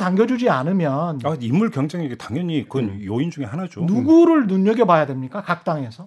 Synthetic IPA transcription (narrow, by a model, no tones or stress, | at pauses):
taŋɡjʌd͡ʑud͡ʑianɯmjʌnaimːuɭkjʌŋd͡ʑeŋeɡetaŋjʌɲikɯnjoind͡ʑuŋe̞hanad͡ʑonuɡuɾɯɭnuɲːʌɡebajadwe̞mɲik͈akak̚t͈aŋe̞sʰʌ